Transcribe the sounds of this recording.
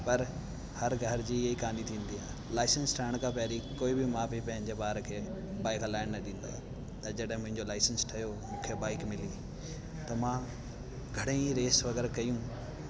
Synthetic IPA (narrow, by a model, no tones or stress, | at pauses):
pɐɾ | hɐɾɡʱɐɾd͡ʑiːɦikãːnd̪it̪ʰĩːnd̪iaːɦ | laːɪsənsʈʰɐɪɽ̃kʰãpɛːɾikoːibɪmãːbipɐ̃ɦɪ̃ɲd͡ʑebaːɾkʰeː | baːɪklaːɪɽ̃nɐɗĩːn̆d̪a̰ː | t̪ɐd͡ʑɐɗɦɪ̃mʊ̃ɦɪ̃ɲd͡ʑolaːɪsənsʈʰɐjomũːkʰebaːɪkmɪliː | t̪ɐmãː | ɡʱɐɽeĩɾeːsʋɐɡɛːɾkɐjũː